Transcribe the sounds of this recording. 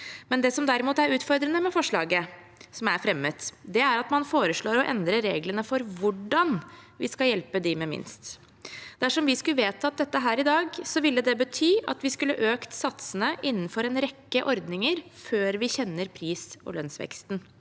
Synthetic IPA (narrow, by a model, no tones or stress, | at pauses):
mɛnd̪ɛsɔmd̪æɾɪmuːt̪æɾʉːt̪fɔɾd̪ɾənəmɛfɔʂɭɑ̰ːɡə | sɔmæɾfɾɛmːət̪d̪ɛæɾɑt̪mɑnfoːɾəʂɭoːɾɔʔɛ̰nd̪ɾəɾeːɡlənəfɔɾʋʊɖɑnʋɪ̰skɑjɛlpəd̪ɪmɛmɪ̰nst̪ | d̪̥æʂɔmʋɪskʉʋeːt̪ɑt̪̚d̪ɛt̪ːəɦæːɾɪd̪ɑːɡsɔʋɪlːəd̪ɛbət̪ʰyːɑ̰t̪ʋɪskʉlːəʔøːkt̪sɑt̪sənəʔɪnːn̩fɔɾɛnɾɛkːəʔɔɾd̪nɪŋəɾføːɾʋɪçɛnːəɾpʰɾiːsɔ̰lœnsʋɛ̰kst̪n